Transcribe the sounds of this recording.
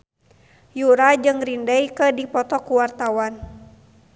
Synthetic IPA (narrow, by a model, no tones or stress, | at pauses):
juɾad͡ʒɨŋrindəjkədipɔt̪ɔkuwart̪awan